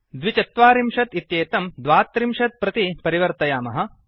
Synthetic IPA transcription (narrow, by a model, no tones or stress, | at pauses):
d̪ʋit͡ʃɐt̪ʋaːɾimʃɐt̪it̪jeːt̪ɐmd̪ʋaːt̪ːɾimʃɐt̪̚pɾɐt̪ipɐɾiʋɐɾt̪ɐjaːmɐɦɐ̆